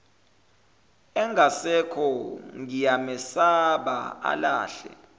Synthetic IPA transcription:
ɛŋɡʱasɛkʰɔŋijamɛsaɓa̰a̰la̰ːɬɛ̰

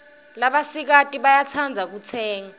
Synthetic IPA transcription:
laɓasik̬atʼiɓajat͡sʰand͡zʱak̬ut͡sʰɛːŋa

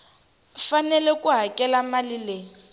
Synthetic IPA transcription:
fanɛlɛkʼuɦakʼɛlamalileːi

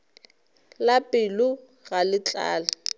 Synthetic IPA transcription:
lapʼɪlʊ | ɣalɪt͡ɬʼa̰ːla

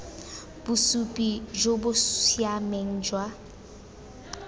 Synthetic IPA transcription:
b̥ʊsupʼid͡ʒobʊsjameŋ̩d͡ʒwa

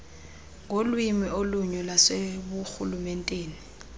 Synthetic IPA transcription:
ŋʱolwimioluɲɔlasebuxulumɛn̩tʼeːni

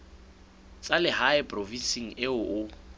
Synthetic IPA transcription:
t͡sʼalɪhaɪpʼrovisiŋ̩ɪʊʔʊ

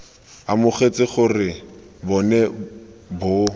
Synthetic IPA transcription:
amʊχet͡sɪχʊrɪ | bɔnɛbʊ

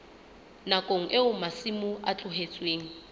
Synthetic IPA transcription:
nakʼoŋ̩ʔeʊmasimʊat͡ɬʼʊɦet͡sʼweːŋ̩

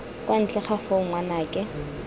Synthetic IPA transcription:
kʼwan̩t͡ɬʼɛχafoʊŋwanaːkʼɛ

